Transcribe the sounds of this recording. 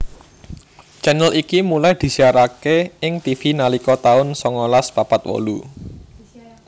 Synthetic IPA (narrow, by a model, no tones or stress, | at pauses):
t͡ʃɛnəlʔikimulajd̪̥i̤siaɾakeɪŋt̪ifinalikɔt̪aʊnsɔŋɔlaspapat̪wɔ̰lṵ